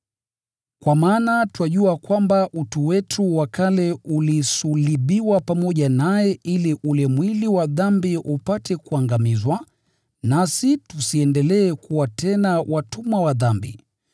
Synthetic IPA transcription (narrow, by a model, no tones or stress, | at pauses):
kwamaːnatwaʄuakwambaʔutuwɛtʰuwakalɛulisuliɓiwapamɔʄanajɛʔiliʔulɛmwiliwaðambiʔupatʰɛkuaŋɡamizwa | nasitusiɛndɛlɛːkuwatʰɛnawatumwawaðambḭ